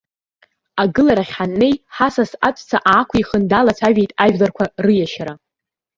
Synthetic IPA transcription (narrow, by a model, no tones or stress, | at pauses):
aɡɨlaɾaχʲħanːe̞jħasasat͡sʷʼt͡sʰaʔaːkʷʰiχəndalat͡sʷʰaɥᶣejtʼaʒᶣlarkʷʰarɨjaʃaɾa